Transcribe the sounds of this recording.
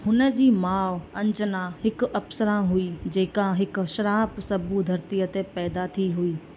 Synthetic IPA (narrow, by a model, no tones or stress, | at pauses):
hʊnə̆d͡ʑiːmaːʋɐ̃ɲd͡ʑənãhɪkʊɐfsəɾãɦuid͡ʑeːkãɦɪk̆ʃɐɾaːpsɐbʱud̪ʱɐɾt̪ijət̪epɛːd̪at̪ʰiɦuiː